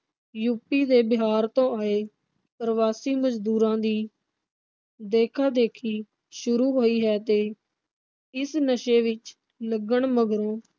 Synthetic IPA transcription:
juːpiːd̪eːbɪɦaːɾt̪õːaːeː | pəɾəʋaːsiːməd͡ʒd̪uːɾãːd̪iː | d̪eːkʰaːd̪eːkʰiː | ʃʊɾuːɦoːiːɦɛːt̪eː | ɪsnəʃeːʋɪt͡ʃ | ləɡəɳməɡɾõː

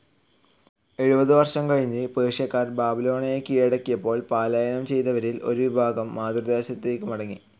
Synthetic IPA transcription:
e̞ɻubɐðɨʋɐrʂɐmkɐɻiɲːɨpeːʂjɐkːaːrbaːbilo̞ːɳɐjekijɐɽɐkːijɐpːo̞ːɭpaːlajɐnɐmt͡ɕe̞jt̪ɐʋɐɾilo̞ɾuʋibʱaːɡɐmːaːd̪rɨd̪aːɕɐt̪ːeːkːɨmɐɽɐŋːi

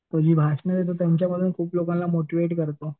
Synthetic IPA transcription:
t̪oɾd͡ʑiːbʱaʂɳəd̪et̪̬ot̪jamt͡ɕjaməd̪ʱːuːnkʰuːplokãnlamoʈiʋeʈkəɾt̪o

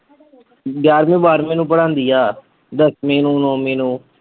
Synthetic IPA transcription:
bjaːɾmẽːbaːɾmẽːnũːpəɽãːnd̪iːaː | d̪əsmeːnũːnõːmẽːnũː

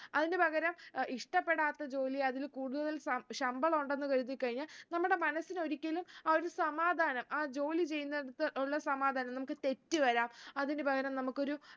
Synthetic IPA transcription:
ɐðinebʱɐɣɐɾɐmiʂʈɐpːe̞ɽaːt̪ːɐd͡ʑo̞ːliɐðilkuːɽuðɐðɐlsɐɕɐmbɐɭoɳɖe̞nːukɐɻut̪ːikɐɻiɲːalnɐmːuɽe̞mɐnɐsːino̞ɾikʲːɐlumɐoɾusɐmaːd̪ʱaːnɐmʔaːd͡ʑo̞ːlit͡ɕe̞junːɐeɽut̪ːɐʔuɭːɐsɐmaːd̪ʱaːnɐmnɐmukːɨt̪e̞tːɨʋɐɾaːmɐðindebʱɐɣɐɾɐmnɐmukːo̞ɾu

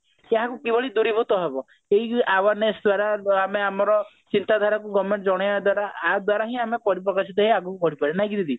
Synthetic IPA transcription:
eaɦãkukibɔɭid̪uɾibʱut̪ɔɦebɔ | eɦiawaɾnesd̪waɾaameamɔɾɔ | t͡ʃint̪ad̪ʱaɾakuɡɔmeɳʈd͡ʒɔɽ̃ɔjad̪waɾaːd̪waɾaɦĩamepɔɾipɾɔkasit̪ɔɦeaɡukukɔɽipaɾenaĩkid̪id̪i

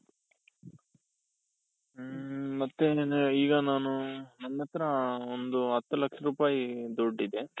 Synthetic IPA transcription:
mɐt̪ːeiːɡɐnaːnunɐnːjɐt̪ːɐɾɐond̪uɦɐt̪ːɐlɐkʂɐɾuːpaːjid̪uɖːid̪e

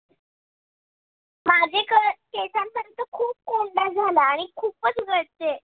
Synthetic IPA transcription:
mad͡ʑʱekəkesãmpəɾənt̪əkʰuːp̚koɳɖ̪ad͡zʱalaːɽ̃ikʰuːpət͡sɡʱəɽt̪e

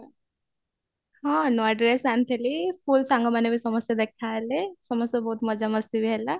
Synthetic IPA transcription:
ɦãnɔɖɾesant̪ʰeliskuːlsãŋɡomanebʱisɐməsjad̪ek̚ʰt̪ʰaɦelesɔməsjabɔɦut̪mɐd͡ʒaməst̪ibʱiɦɛla

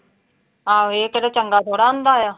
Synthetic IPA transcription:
aːeːkəɾeːt͡ʃəŋɡaːt̪ʰoːɽaːõnd̪aːjaː

